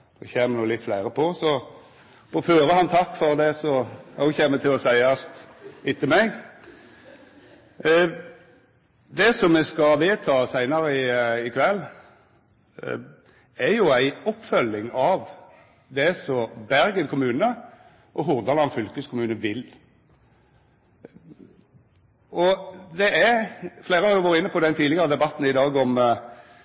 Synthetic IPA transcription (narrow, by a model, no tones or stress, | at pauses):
d̪̥ɔ̰çeːmənuːlɪt̪flæɪɾəpʰɔsɔ | bɔføːɾəhɑnt̪ʰɑkːfɔʁd̪ɛsɔhɔçeːmət̪ɪlɔsæɪɑst̪ɪt̪ːəmɛɡ | d̪ɛsɔmːɛskɑʋeːt̪ʰɑːsæɪnɑɾəɪɪkʰʋɛlː | ɛɾjʊæɪɔpːfœlːɪŋɑʋ | d̪ɛsɔbæɾɡənkʰʊmʉːnə | ʔɔɦʊʁd̪ɑlɑnfʏlkəskʰʊmʉːnəʋɪl | ɔd̪ɛʔæɾfleːɾəhɑɾjʊʋɑɾɪnːəpʰɔd̪ɛnt̪ʰiːd̪ɪɡɑɾəd̪ɛbɑt̪ːn̩ɪd̪ɑːɡɔm